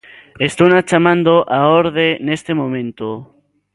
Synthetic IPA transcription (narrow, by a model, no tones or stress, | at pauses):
est̪onat͡ʃamãnd̪oʔaoɾðenest̪emõmẽnt̪o